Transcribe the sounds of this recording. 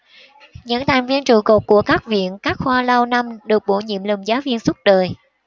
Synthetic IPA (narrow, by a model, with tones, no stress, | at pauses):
ɲə̰˧˥nt̪ʰa˨˩ŋ̟vi˧ənt͡ɕu˨˩ko˨˩p̚ku˧˩əkaː˦˥k̚vḭ˧˨ənkaː˦˥k̚xwaː˧la˧wna˧mɗɨ˨˩ək̚ɓo˧˩ɲḭ˧˨mlə˨˩mzaː˨˦wvi˧ənsə˦˥t̚ɗəː˨˩j